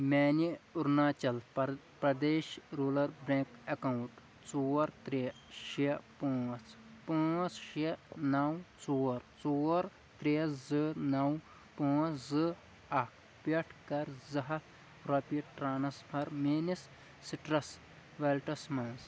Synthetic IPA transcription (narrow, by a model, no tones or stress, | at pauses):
meːniʊɾnaːt͡ʃɐl | pɾɐd̪eːʃɾuːlɐɾbɾẽːkɐkɐwt̪ | t͡suːɐɾt̪ɾe | ʃepũːt͡s | pũːt͡sʃenɐwt͡suːɐɾt͡suːɐɾ | t̪ɾezɨnɐw | pũːt͡szɨ | ɐkʰ | peʈʰkɐɾzɐɦɐt̪ʰ | ɾɐpiʈɾaːnɐspʰɐɾmeːnis | siʈɾɐs | ʋelʈɐsmãːns